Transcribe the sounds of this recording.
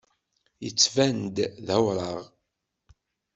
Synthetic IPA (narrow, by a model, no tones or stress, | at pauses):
jə̰t͡sːvænd̪ðæwɾˤɑʁ